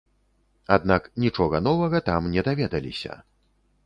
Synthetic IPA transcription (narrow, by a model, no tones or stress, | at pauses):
ad̪̚naknʲit͡ʂɔɣɐnɔvɐɣɐt̪amnʲɛd̪avʲɛd̪ɐlʲḭsʲɐ̰